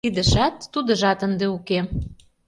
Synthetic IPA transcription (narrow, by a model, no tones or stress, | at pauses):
id̪ə̆ʃɑt̪ːud̪ə̆ʒɑt̪ənd̪euke